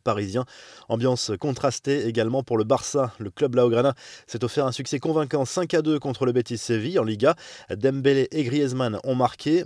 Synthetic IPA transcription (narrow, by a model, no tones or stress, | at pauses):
paʁizjɛ̃ɑ̃bjɑ̃skɔ̃t̪χast̪eːɡalmɑ̃puʁləbaʁsaləklœblaoɡʁanasɛt̪ofɛʁɛ̃syksɛkɔ̃vɛ̃kɑ̃sɛ̃kad̪økɔ̃t̪χələbet̪iseviɑ̃liɡad̪ɛmbeleʔeɡʁijɛzmanɔ̰̃maʁkʰʲe